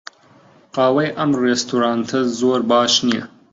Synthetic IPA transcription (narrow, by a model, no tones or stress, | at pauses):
qɑːwɐjʔɐmreːst̪ʰuɾaːnt̪ʰɐzoːɾbɑːʃnijɛ̰